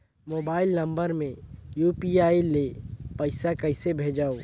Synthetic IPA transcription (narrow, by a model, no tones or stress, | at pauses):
moːbaːɪlnə̃mbəɾmẽjuːpiaːilepəɪsakəɪsebʱeːd͡ʒaːo